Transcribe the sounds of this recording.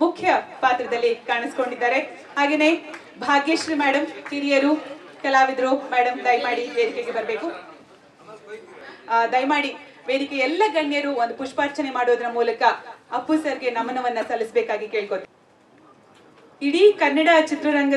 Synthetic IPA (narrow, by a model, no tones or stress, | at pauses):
mukʰjɐpaːt̪ɾɐd̪ɐlːikaːɳɐsi̥ko̞ɳɖid̪ːaːɾe̞ | haːɡeːne̞ | bʱaːɡjeʃɾiːmɛːɽɐmkiɾijɐɾu | kɐlaːʋid̪ɾomæːɽɐmd̪ɐjmaːɽiʋeːɾikeɡe̞bɐɾɐbe̞ːku | d̪ɐjmaːɽi | ʋeːɾikeɛlːɐɡɐɳjɐɾuond̪upuʂpaɾt͡ʃɐne̞maːɽoːd̪ɐɾɐmuːlɐkɐɐpːusɐɾɡe̞nɐmɐnɐʋɐnːɐsɐlːisbeːkaːɡike̞ːɭkoːt̪ːe | iɽikɐnːɐɽat͡ʃit̪ɾɐɾɐŋɡɐ